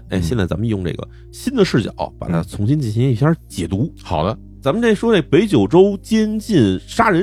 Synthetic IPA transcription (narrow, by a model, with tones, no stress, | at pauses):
ḛ˥˧ɪɕjɛ˥˧t͡sa˥˩t͡sa˧˥mə˧i˧jʊ˥˧ʈ͡ʂɤ̰˥˩ɡə̰˩ | ɕi˥nd̪ə˨ʂɻ̩˥˩t͡ɕjɑ̰˨˩˦pa̰˨˩t̪ʰa̰˥t͡sʰʊ˧˥ŋɕi˥nt͡ɕi˥˩nɕi˧˥ŋ˥i˧˥˩ɕjɑ˞˥˧˥t͡ɕjɛ˨˩t̪u˧˥xɑ˨˩ʊd̪ə˦ | t͡sa˧˥mə˧nʈ͡ʂa˥˩ɪʂwɔ˥ne˥˩ɡə˩pe˧˥ɪt͡ɕjo˨˩ʊʈ͡ʂo˥ʊt͡ɕjɛ˥nt͡ɕi˥˩nʂa˥ɻə˧˥